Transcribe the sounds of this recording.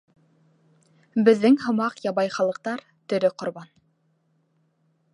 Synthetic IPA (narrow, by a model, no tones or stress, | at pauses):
bɘ̆ðːɘŋhŏmɑqjɑβɑjχɑlˠɤ̆q̚t̪ɑɾ | t̪ɵ̆ɾɵqŏɾβɑn